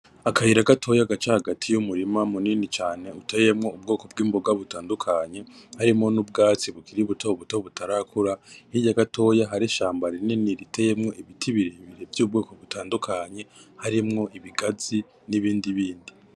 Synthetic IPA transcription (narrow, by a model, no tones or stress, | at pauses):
akahiɾaɡatʰo̞jaɡat͡ʃahaɡatʰijumuɾimamuninit͡ʃaːne̞uteje̞mŋo̞ub̚ɡo̞ːko̞b̚ɡiːmboɡaβutaːndukʰaɲe̞haɾimŋo̞nub̚ɡaːt͡siβukiɾiβuto̞βuto̞βutaɾakʰuɾahiɟaɡatʰo̞jaɦaɾiʃaːmbaɾininiɾitʰeje̞mŋo̞ʔiβitʰiβiɾeiβiɾe̞vjuːbɡo̞ːko̞βutʰaːndukʰaɲe̞haɾimŋo̞ʔiβiɡaz̥i | niβiːndiβiːndi